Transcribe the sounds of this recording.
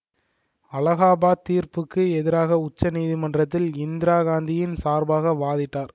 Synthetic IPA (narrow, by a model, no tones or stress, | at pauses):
ɐlɐɣaːbaːt̪ːiːɾpɯkːɯɛðɪɾaːɣɐʊt͡ʃːɐniːðimɐndrɐt̪̬ːɪlɪnd̪ɪɾaːɣaːnd̪ɪjɪnsaːɾbaːɣɐʋaːðɪʈːaːɾ